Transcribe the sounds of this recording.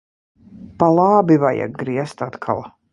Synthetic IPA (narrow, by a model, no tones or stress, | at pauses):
palˠɑːbivaja̰ɡ̚ɡɾiɛst̪at̪kʰa̰lˠ